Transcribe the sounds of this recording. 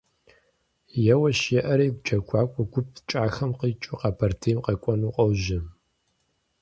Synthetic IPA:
jɛwɐʃjɛʔɐɾeːɡʷt͡ʃʰɐkʷʰaːkʷʼɔɡʷʊp̚ʰt͡ʃʼaːxɐmqit͡ʃʼʊqɑpʰɐrtʰejmqɐkʷʼɔnuːqʼɔwʒɪ

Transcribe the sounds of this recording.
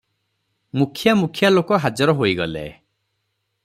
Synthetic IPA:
mukʰjamukʰjalokɔɦad͡ʒɔɾɔɦoiɡɔlḛ

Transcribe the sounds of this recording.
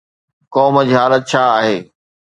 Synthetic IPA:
kɔːməd͡ʑiːɦaːlət̪̚t͡ɕʰaːɦeː

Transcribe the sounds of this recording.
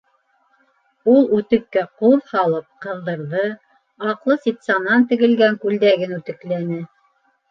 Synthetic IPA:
ulˠʉt̪ɘ̆kːæquðhɑlˠɤp̚qɤ̆ðːɤ̆ɾðɤ | ɑqlˠɤsʲit̪sɑnːɑnt̪ɘ̆ɡɘ̆lɡæŋkʉld̪æɡɘnʉt̪ɘ̆klænɘ

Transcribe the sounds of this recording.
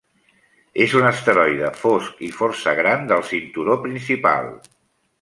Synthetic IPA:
ezunəst̪əɾɔjðəfɔskifɔrsəɣ̞ɾand̪əlˠsint̪uɾopɾinsipa̰lˠ

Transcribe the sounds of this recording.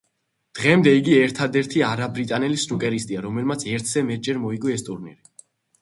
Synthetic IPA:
d̪̥ʁɛmd̪ɛiɡiɛɾt̪ʰad̪ɛɾt̪ʰiaɾabɾit̪ʼanɛlisnukʼɛɾist̪ʼiaɾɔmɛlmat̪sʰɛɾt̪ʰz̥ɛmɛt̪̚ʰd͡ʒɛɾmɔiɡɔɛst̪ʼuɾnḭɾi

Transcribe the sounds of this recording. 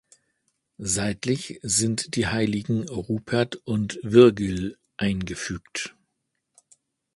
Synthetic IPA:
zaɪtlɪçz̥ɪntd̥iːhaɪlɪɡŋ̩ʁuːpʰɛɐtʊntvɪɐɡəl | ʔaɪnɡəfyːkt

